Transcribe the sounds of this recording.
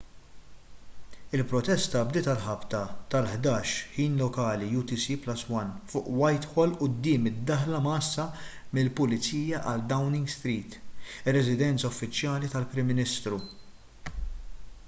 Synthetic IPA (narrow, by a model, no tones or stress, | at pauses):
ɪlpɾɔt̪ɛst̪ɐbd̪ɪːt̪ɐlħɐpt̪ɐt̪ɐlħd̪ɐːʃħiːnlɔkɐːlijuːt̪isiplɐsːwɐnfʊ̰ːʔwɐjt̪ħɔlʔʊd̪ːɪːmɪd̪ːɐħlɐmɐːsːɐmɪlpʊlɪt͡siːjɐʔɐd̪ːɐwnɪŋɡst̪ɾiːt̪ɪrːɛzɪd̪ɛnt͡sɐʊfːɪt͡ʃjɐːlit̪ɐlpɾɪmːɪnɪst̪ɾu